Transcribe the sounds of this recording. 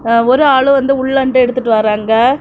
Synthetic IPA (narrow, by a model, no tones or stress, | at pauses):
ɔɾɯaːɭɯ̃ʋɐnd̪ɯʊɭːɐɳʈɯɛɽɯt̪ːɯʈːɯʋaːɾaːŋɡɐ